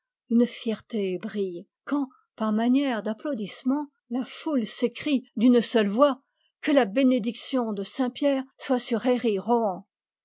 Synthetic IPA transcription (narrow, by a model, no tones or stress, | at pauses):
ynfjɛʁt̪ebʁij | kɑ̃ | paʁmanjɛʁd̪aplod̪ismɑ̃ | lafulsekχid̪ynsœlvwa | kəlabened̪iksjɔ̃d̪əsɛ̃pjɛʁswasyʁeʁiʁɔɑ̃